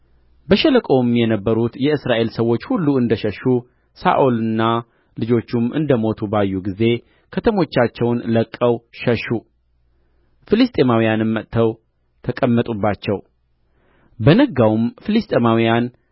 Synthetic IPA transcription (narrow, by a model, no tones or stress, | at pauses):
bəʃɛləkʼo̞mjɛnəbːəɾut̪jɛɨsɾaʔe̞lsəwːo̞t͡ʃːhulːuɨnd̪əʃəʃu | sa̰ʔolɨnːa | lɨd͡ʒo̞t͡ʃːumɨ̰nd̪əmo̞t̪ʰubajːuɡize̞ | kʰət̪ʰəmo̞t͡ʃːat͡ʃːɛwnləkʼːəwʃəʃːu | fɨlɨst̪ʼemawijanɨmːət̪ʰːəw | t̪ʰəkʼəmːət̪ʼubːat͡ʃːɛw | bənəɡawmfɨlist̪ʼemawijan